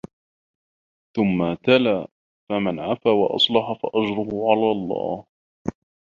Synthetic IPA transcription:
θʊmːat̪alaː | famanʕafaːwɑʔɑ̰sˤlɑħɑfa̰ʔad͡ʒɾʊhʊʕalaːlˤːɑ̰ːh

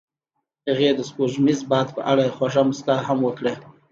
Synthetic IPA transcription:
haɣed̪əspoʒmizbɑd̪pə̰ʔaɽaexwaʐamʊst̪ahamwəkɽe

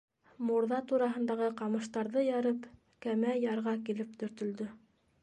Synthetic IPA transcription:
muɾðɑt̪uɾɑɦɤ̆nd̪ɑʁɤqɑmɤ̆ʃt̪ɑɾðɤjɑɾɤp | kæmæjɑɾʁɑkilɘpt̪ɵ̆ɾt̪ɵ̆ld̪ɵ

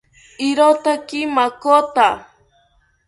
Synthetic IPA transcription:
ɪɾot̪akimakot̪a

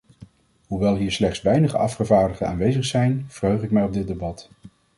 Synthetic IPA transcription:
ɦuʋɛlˠɦiːɹslɛχtsʋɛjnəχə̰ɑfχəvaːɹdəχəna̰ːnʋejzəχsɛjnv̥ərɦøɥχɪk̚mɛjɔb̚dɪt̚debɑt

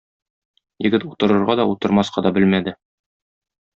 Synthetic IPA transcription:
jɘ̆ɡɘt̪ut̪ɤ̆ɾɤ̆ɾʁɑd̪ɒut̪ɤ̆ɾmɑsqɑd̪ɒbɘlmæd̪ɘ

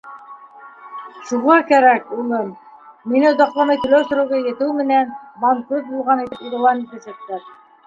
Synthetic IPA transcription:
ʃuʁɑkæɾækulˠɤmː | inɘ̆d̪ɑqlˠɑnɤjt̪ɵ̆læwsɵ̆ɾɘ̆wɡɑjɘ̆t̪ɘwmɘ̆nænbaŋkɾut̪̚bulˠʁɑnit̪ɘpiɾɤ̆w̪ˠɑnit̪æsæk̚t̪æɾ

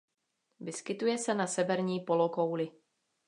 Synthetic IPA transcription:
vɪskɪt̪ujɛsɛnasɛvɛɾɲiːpo̞lokowlɪ

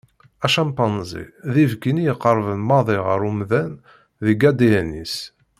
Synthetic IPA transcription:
æʃɑmpɑnzḭðivɡinijəqːəɾˤvənmɑðˤeʁəɾˤumðæn | ðiɡæd̪ijænis

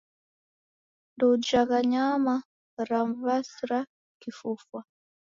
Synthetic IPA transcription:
ndɔd͡ʒaɣaɲama | ɾamvasɾa | kifufwa

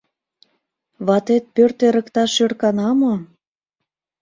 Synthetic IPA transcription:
βɑt̪et̪̚pørt̪eɾə̆kt̪ɑʃørkɑnɑmo

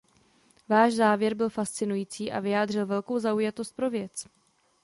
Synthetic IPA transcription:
vaːʃzaːvjɛɾbɪlfast͡sɪnujiːt͡siːʔa̰vɪjaːdr̝ɪlvɛlko̞wzaujat̪o̞st̪̚pɾo̞vjɛt͡s

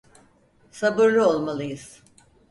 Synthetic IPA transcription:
sabɯɾlˠɯo̞lˠmalˠɯjɯz̥

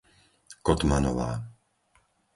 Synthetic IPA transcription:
kɔt̪manɔʋa̰ː

